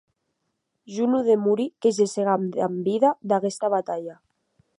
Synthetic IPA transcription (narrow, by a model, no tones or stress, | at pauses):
ʒunuðemuɾikezeseɣamambiðad̪aɣest̪aβat̪aʎa